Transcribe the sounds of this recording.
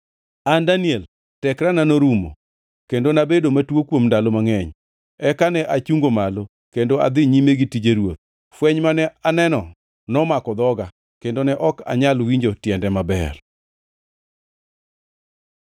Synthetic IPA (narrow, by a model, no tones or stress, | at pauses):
andaniɛl | tɛkɾananoɾumo̰ | kendonabedomatwokwomndalomaŋɛɲ | ɛkanɛʔat͡ʃuŋɡomalo | kendoa̰d̪ɪɲimeɡitid͡ʒeɾwot̪̚ | fwɛɲmanɛanɛnɔ | nɔmakɔd̪ɔɡa | kendonɛʔɔka̰ɲalwiɲd͡ʒotjɛndɛmabɛ̰r